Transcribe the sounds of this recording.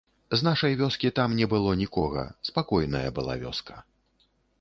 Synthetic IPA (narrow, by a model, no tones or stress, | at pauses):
znaʂɐjvʲɔskʲit̪amnʲɛbɨlˠɔnʲikɔɣɐ̰spakɔjnɐjɐ̰bɨlˠa̰vʲɔ̰skɐ̥